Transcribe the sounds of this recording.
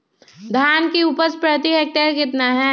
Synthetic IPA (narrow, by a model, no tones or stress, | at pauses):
d̪ʱaːnkiupəɾspɾət̪iɦeːk̚ʈeɾkɪt̪naɦɛ